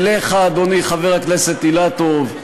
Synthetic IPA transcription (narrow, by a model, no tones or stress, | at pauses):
leχaːd̪oniχaveʁakneset̪ilat̪ov